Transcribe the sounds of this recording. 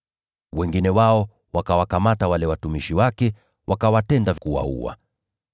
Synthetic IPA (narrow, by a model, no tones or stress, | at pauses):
wɛŋɡinɛwaɔ | wakawakamatawalɛwatumiʃiwakɛ | wʔakawatɛndakuwa̰ṵwa̰